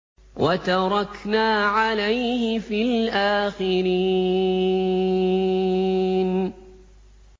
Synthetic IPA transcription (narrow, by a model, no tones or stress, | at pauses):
wʔat̪ɑɾˤɑknaːʕalajhɪfilʔaːxɪɾi | n